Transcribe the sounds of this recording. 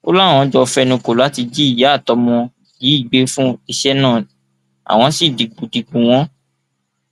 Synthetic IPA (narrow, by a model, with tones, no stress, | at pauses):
o˦la˦˨w̃ɔ̃˧˦d͡ʒɔ˧fɛ˦nũ˧ko˨la˨˦ti˧d͡ʒi˦i˦˨ja˨˦˨tɔ˧mɔ̃˧ | ji˨˦i˦˨ɡ͡be˨˦fũ˦i˧ʃɛ˦nãː˦˨ | a̰˨w̃ɔ̃˧si˦˨di˨ɡ͡bũ˨di˨ɡ͡bũ˨w̃ɔ̃˦